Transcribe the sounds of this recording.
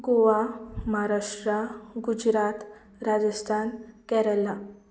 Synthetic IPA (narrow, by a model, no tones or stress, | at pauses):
ɡoʋamaɾaʂʈɾaɡud͡ʑɾat̪ | ɾad͡ʑəst̪ʰankɛɾɛla